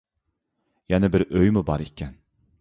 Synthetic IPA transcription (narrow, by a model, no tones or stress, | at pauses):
jaːnɪbiɾʔøjmubɑɾicʰʲːɛn